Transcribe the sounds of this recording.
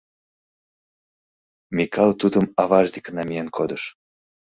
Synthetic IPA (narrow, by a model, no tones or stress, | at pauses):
mʲikʰɑlˠt̪ud̪əmɑβɑʒd̪ikənɑmʲijenkʰod̪əʃ